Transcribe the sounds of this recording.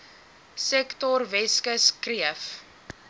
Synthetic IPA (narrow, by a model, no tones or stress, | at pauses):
sɛktɔrvɛskəskriəf